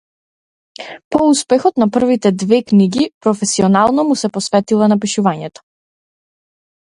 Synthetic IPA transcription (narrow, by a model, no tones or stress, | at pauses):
pɔuspɛxɔt̪napr̩vit̪ɛd̪vɛkniɡipɾɔfɛsiɔnalˠnɔmusɛpɔsvɛt̪ilˠanap̬iʃuvaɲɛt̪ɔ̥